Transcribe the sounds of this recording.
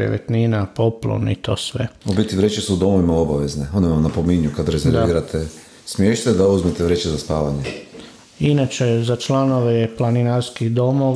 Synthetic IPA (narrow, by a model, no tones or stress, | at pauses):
ɾḛʋḛt̪ninapo̞plo̰nit̪o̞̰ːsʋeobjiet̪iʋɾet͡ʃesuːd̪o̞moʋimao̞baʋe̞zneo̞nɛʋamnapomiɲukad̪ɾezeɾʋiːɾat̪ʰe | smjeʃt̪ed̪auzmet̪eʋɾet͡ʃezaspaːʋaɲe | inat͡ʃezat͡ʃlanoʋeplaninaɾskid̪o̞mo